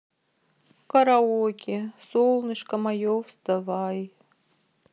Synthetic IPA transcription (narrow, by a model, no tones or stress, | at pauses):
kaɾaokʲisolˠnɨʂkamajofst̪avaj